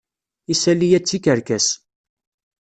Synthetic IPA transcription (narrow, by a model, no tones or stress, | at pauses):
isælijæt͡sːikəɾkæs